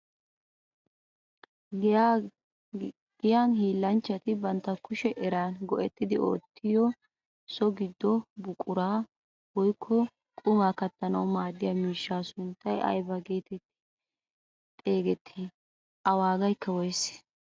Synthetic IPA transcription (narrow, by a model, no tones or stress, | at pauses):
ɡ̥ɪjaːnhiːlːɐnt͡ʃːɐt̪ɪbɐnt̪ːɐkʊʃɛʔɛɾaːnɡɔʔɛt̪ːɪd̪ɪʔo̞̰ːt̪ʰːɪjɔ | sɔɡɪd̪ːɔbʊkʼʊɾaː | wɔjkʰːɔ | kʼʊmaːkɐt̪ːɐnɐwmaːd̪ːɪjɐmiːʃːaːsʊnt̪ːɐjʔɐ̰jbɐɡe̞ːt̪ɛt̪ːɪ̥ | t̪ʼe̞ːɡɛt̪ʰːiː | ʔɐwaːɡɐjkːɐwɔjs